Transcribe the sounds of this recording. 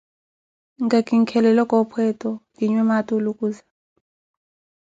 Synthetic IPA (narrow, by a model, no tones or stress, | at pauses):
ŋɡakʼiŋkʰɛlɛlakʼɔpʰwɛtʼɔkiɲwɛmatʼulukʼuːzḁ